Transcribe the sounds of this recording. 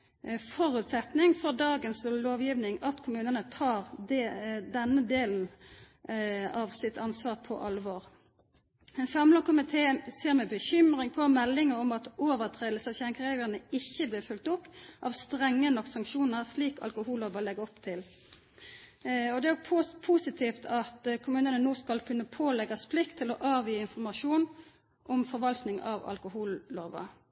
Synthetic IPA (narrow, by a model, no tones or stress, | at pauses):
fɔʁʉt̪sɛt̪nɪŋfɔʁd̪ɑːɡənsloːʋjiːʋnɪŋɑt̪kʰʊmʉːnənət̪ʰɑːʁd̪ɛnːəd̪eːln̩ | ɑʋsɪt̪ʰɑnsʋɑːʁpʰɔ̰ʔɑlʋoːʁ | ɛnsɑmləkʰʊmɪt̪ʰeːseːʁmɛbəçʏmʁɪŋpʰɔmɛlːɪŋəɔmɑt̪oːʋəʁt̪ʰʁeːd̪l̩səɑʋçæŋkəʁeːɡlənəɪçːəblɪːʁfʉlk̚t̪ʊpːʔɑːʋst̪ʁɛŋːənɔkːsɑŋkʃuːnəʁsliːkɑ̰lkʊhuːlːoːʋɑlɛɡəɔpt̪ʰɪl | ɔd̪ɛæpʰusɪt̪ʰiːft̪ʰɑt̪kʰʊmʉːnənənoːskɑlkʰʉnːəpʰoːlɛɡɑsplɪkt̪ʰːɪlɔʔɑːʋjiːɪnfɔʁmɑʂuːn | ʔɔmfɔʁʋɑlt̪nɪŋɑ̰ʋɑ̰lkʊhuːlːoːʋɑ̰